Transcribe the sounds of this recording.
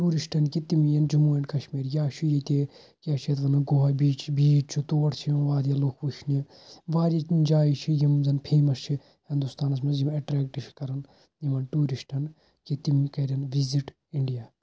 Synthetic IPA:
ʈuːɾisʈɐnkit̪imjɐnd͡ʒumuːjɐnkɐʃmiːɾjaːʃʰujɐt̪e | kʲaːt͡ʃʰet̪ʋɐnɐɡoɦɐbiːt͡ʃbiːt͡ʃt͡ʃʰut̪oːʈt͡ʃʰijimʋaːɾijɐlokʰpuʃʰni | ʋaːɾjɐkind͡ʒaːit͡ʃʰijimzɐnpʰeːmɐst͡ʃʰi | hind̪ust̪aːnɐsmɐzimɐʈɾɛːkʈiʃʰi̥kɐɾɐn | jimɐnʈuːɾisʈɐn | kit̪imkɐɾjɐnʋiziʈ | iɳɖijaː

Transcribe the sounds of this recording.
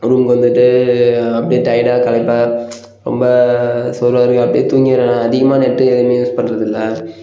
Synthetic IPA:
ɾuːmkɐʋɐnd̪ɯʈːɯɐpːɐɽiʈɐɪɽaːkɐɭɐɪpːaː | ɾɔ̰mbɐsɔlɾʋaːɾɯŋɡɐɐpːɐɽijet̪uːŋɡɾɐ̃ɐðɪɣɐmaːnɛʈːɯɛðɐmjuːspɐnːɾɐðɪlːɐ

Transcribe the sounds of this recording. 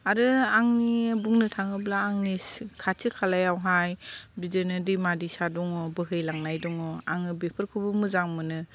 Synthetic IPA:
aɾɯaŋnibuŋnɯtʰaŋɯblaːŋniskʰatʰikʰalajawɦajbidenɯdimadisadɔŋɔbɯɦɯjlaŋnajdɔŋɔa̰ŋɯbepʰɯɾkʰubɯmɯzaŋmɯnɯ

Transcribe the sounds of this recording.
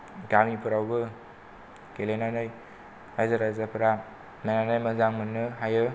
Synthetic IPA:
ɡamipʰɯɾawbɯ | kelenanɯj | ajzaɾajzapʰɯɾa | menanajmɐzaŋmɯnːɯɦajɯ

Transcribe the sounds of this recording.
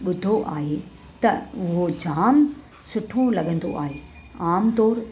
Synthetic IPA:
ɓʊd̪ʱoʔaːɦe | t̪ɐʊɦod͡ʑaːm | sʊʈʰõlɐɠə̃nd̪o̰ʔa̰ːɦeː | aːmt̪ɔːɾ

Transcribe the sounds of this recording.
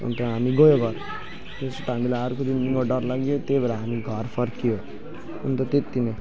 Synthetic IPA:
ṵnt̪ɔɦamiɡojoɡʱʌɾ | esuʈamilaaɾkod̪inːiŋɡoɖʌɾlaɡijot̪ebaɾaɦamiɡʱʌɾfʰʌɾkijo | unt̪ɔt̪et̪ːine

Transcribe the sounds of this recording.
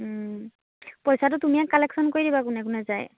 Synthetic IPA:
pojsatʊtumijakkːalɛksɔnkoɹidibakʊnɛkʊnɛzaj

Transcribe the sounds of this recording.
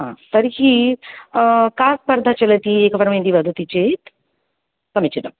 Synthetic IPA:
ɦã̰t̪əɾɦiː | kaspəɾd̪ʱat͡ɕelət̪iekəfəɾmẽniʋəd̪ʱt̪it͡ɕet̪ | kəmit͡ɕid̪əm

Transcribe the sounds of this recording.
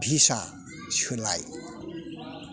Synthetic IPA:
bʱisa | sʰulaj

